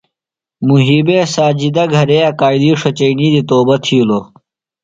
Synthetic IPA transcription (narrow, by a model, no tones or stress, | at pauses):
muɦibeːsaːd͡ʑid̪ɐɡʱɐɾeːɐkaːid̪iːʂɐt͡ɕeiniːd̪it̪oːbɐt̪ʰiulo